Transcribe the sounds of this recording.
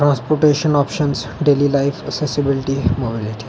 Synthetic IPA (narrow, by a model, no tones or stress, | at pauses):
ʈɾãnspoɾʈeʃənɔpʃənsɖelilaɪfəksesibilʈimobiliʈi̥